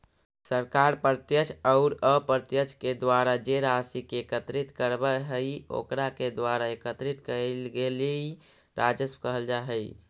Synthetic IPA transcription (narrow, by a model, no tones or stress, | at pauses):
səɾkaɾpəɾt̪jət͡ʃʰəʊɾəpəɾt̪jət͡ʃʰked̪waɾad͡ʒeɾasikekət̪ɾit̪kəɾbɛɦəjo̰kɾaked̪ʋaɾaekət̪ɾit̪kəlɡelei | ɾʔad͡ʒəskəɦəld͡ʒaɦəj